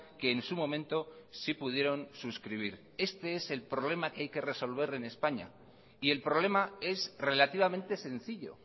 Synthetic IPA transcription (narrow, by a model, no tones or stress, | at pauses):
ke̞ːnsumõ̞mẽ̞nt̪o̞sipuð̞je̞ɾo̞nsuskɾiβ̞iɾ | e̞st̪e̞e̞se̞lpɾo̞β̞le̞makeajke̞re̞so̞lβ̞e̞ɾe̞ne̞spaɲa̰ | ie̞lpɾo̞β̞le̞mae̞zre̞lat̪iβamẽnt̪e̞se̞n̟θiʎo̰